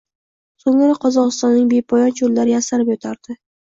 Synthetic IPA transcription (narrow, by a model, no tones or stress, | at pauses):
soŋɾaqʰɒzɒʁɨst̪ɒnːɪŋbepʰɒjɒnt͡ʃʰollaɾɪjasaɾɪpjɒt̪ʰaɾd̪̥ɪ